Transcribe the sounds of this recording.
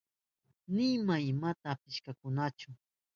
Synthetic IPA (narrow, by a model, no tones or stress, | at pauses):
nɪmaɪmat̪aːpɪʃkakʊnat͡ʃʊ